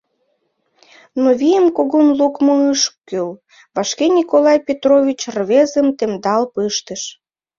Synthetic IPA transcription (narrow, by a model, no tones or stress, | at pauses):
noβijəmkoɣonlukmoəʃkkːyl | βɑʃkenʲikolɑjpʲet̪rovʲit͡ɕrβezəmt̪emd̪ɑlpɯʃt̪əʃ